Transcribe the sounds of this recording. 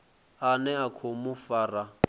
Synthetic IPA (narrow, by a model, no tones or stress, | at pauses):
anɛakʰomufaːra